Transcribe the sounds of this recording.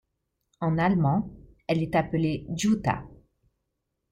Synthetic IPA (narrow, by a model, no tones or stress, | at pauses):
ɑ̃nalmɑ̃ | ɛlɛt̪apəled̪jut̪a̰